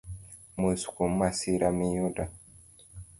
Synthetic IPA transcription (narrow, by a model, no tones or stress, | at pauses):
musu̥kum̩masiɾamijoda